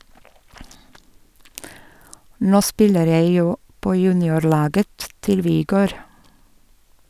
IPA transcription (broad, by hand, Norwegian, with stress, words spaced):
ˈnoː ˈspɪləɾ ˈjeɪ ˈjuː ˈpoː ˈjʉːnɪʊɾˌlɑːɡə ˈtɪl ʋɪˈɡøːɾ